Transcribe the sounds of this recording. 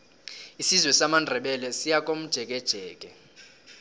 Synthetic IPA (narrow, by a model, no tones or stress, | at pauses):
isizwɛsamandʱɛɓɛlɛsijak̬ʼom̩d̥ʒ̥ʱɛk̬ʼɛd̥ʒ̥ʱɛːkʼɛ